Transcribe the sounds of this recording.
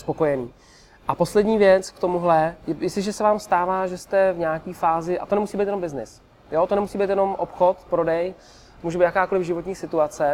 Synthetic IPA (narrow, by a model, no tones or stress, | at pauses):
spo̞ko̞jɛniː | ʔapo̞slɛdɲiːvjɛt͡skt̪o̞muɦlɛjɛjɪsɪʒɛsɛvaːmst̪aːvaːʒɛst̪ɛvɲaːkiːfaːzɪʔa̰t̪o̞nɛmusiːbiːt̪jɛno̞mbɪznɪ̰s | jo̞t̪onɛmusiːbijt̪jɛno̞mʔopxo̞t̪pɾodɛj | muːʒɛbiːt̪jakaːko̞lɪvʒɪvot̪ɲiːsɪt̪uat͡sɛ